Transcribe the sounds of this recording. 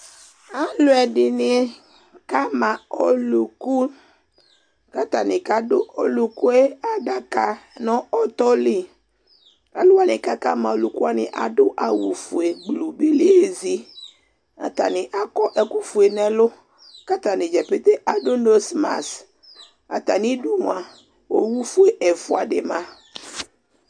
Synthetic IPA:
a˦lo˦ɛ˨ɖi˨ni˨ | ka˦mã˨o˨lu˨ku˦ | ka˦t̪a˨nɪ̃˨ka˨dʊ˦o˦lu˨ku˦e˦a˨ɖa˨ka˨nɔ̃˦ɔ˦t̪ɔ˦li˦ | a̰˨lʊ˦wa˦nɪ̃˨ka˦ka̰˦mã˨o˨lu˨ku˦a˦nɪ̰̃˨ʔa̰˨ɖʊ˦ʔa˨wu˨fu˨e˨ɡ͡blu˨bi˦li˦e˦zi˦ | a̰˨t̪a̰˨nĩ˨ʔa˨kɔ˦ʔɛ˨ku˦fu˨e˨nɛ̃˦lʊ˦ | ka˦t̪a˨nĩ˨d͡ʒɛ˨pe˦t̪e˦ʔa˨ɖo˦no˦sma̰˨s | a̰˨t̪a˨nĩ˦du˦ŋ˨a˨ | wo̰˦wu˦fu˦e˨ʔe˨fu˦a˨ɖe˨mã˦

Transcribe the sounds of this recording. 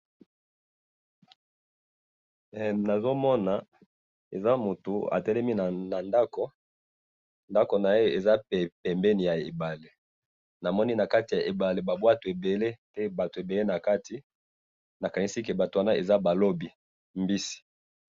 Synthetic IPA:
na˨zo˦mɔ˦na˨ | e˨za˦mo˨to˨a̰˨tɛ˦lɛ˦mi˦na˨na˨nda˦ko˨ | nda˦ko˨na˨e˦e˨za˦ppɛ˨mbɛ˦ni˨ja˨e˨ba˨le˨ | na˨mɔ˦ni˦na˨ka˦ti˨ja˨ʔe˨ba˨le˨ba˨bwa˦to˨e˨be˨le˦pɛ˦ba˨to˨e˨be˨le˦na˨ka˦ti˨ | na˨ka˨ni˦si˦ke˨ba˨to˨wa˦na˦e˨za˦ba˨lo˦bi˨ | mbi˦si̥˨

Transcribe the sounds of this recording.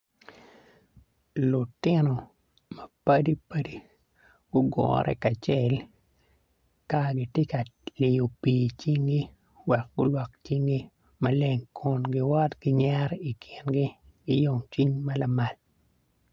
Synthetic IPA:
lʊ˨tɪ˦nɔ˨ | mɐ˨pɐ˦di˦pa˦di˦ | ɡʊ˦ɡɔ̰˨ɾʔɛ̰˦ka˨t͡ʃe˦l | ka˦ɡɪ˨tje˦ka˨lɪ˨jo˨piː˨t͡ʃi˦ŋɡi˦ | wɛ˨k̚ɡʊ˦lwa˨k̚t͡ʃi˦ŋɡi˦ | mɐ˦le˨ŋkʰʊ˨nɡɪ˦wɔ˦tɡ̥ɪ˦ɲa˦ɾi˨kʰɪ˨nɡɪ˦ | ɡɪ˦jo˦˨ŋt͡ʃi˦ɲma˦la˨ma˨l

